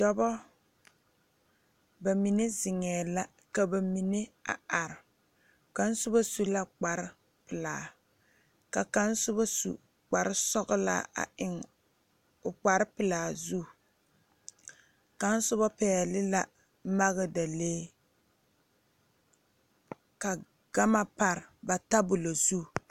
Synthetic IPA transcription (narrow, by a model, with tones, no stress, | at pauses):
dɔ˦bɔ˦ | ba˨mi˨ne˦zɪ˨ŋɛː˨la˦ | ka˨ba˨mi˨ne˦a̰˨a˨ɾɪ˨ | ka˨n˦sʊ˦ba˦su˨la˦k͡pa˨ɾɪ˦ | pɪ˨laː˨ | ka˨ka˦n˦sʊ˦ba˦sṵ˨ | k͡pa˨ɾɪ˦sɔ˦ɣʊ˦la̰˦a̰˨ɪ˨ŋ | ʊ˨k͡pa˨ɾɪ˦pɨ˨laː˨zu˦˨ | ka˨˦n̩˦sʊ˦ba˦pɛː˨lɪ˦la˦˨˦ | ma˦ɣɨ˦da˨leː˦ | ka˨ | ɡ̥a˦ma˦pa˨ɾɪ˨ba˨ta˦bʊ˨lo˨zu˦˨